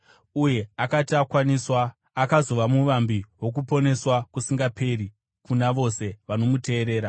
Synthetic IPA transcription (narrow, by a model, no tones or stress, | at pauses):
uje̞akatiakwaniswaː | kazo̞ʋamuʋambiwo̞k̬upo̞ne̞swakusiŋɡape̞ɾi | kunaʋo̞se̞ʋano̞mute̞ːɾe̞ːɾa